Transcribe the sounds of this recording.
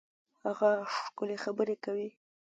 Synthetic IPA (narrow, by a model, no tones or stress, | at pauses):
haɣaʂkʊlexabəɾekawi